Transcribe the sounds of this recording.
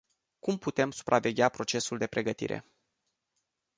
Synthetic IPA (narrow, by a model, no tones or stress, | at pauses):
kumput̪e̞msu̥pɾʔave̞ɡʲapɾo̞t͡ʃe̞suld̪e̞pɾe̞ɡət̪ḭɾe̞̰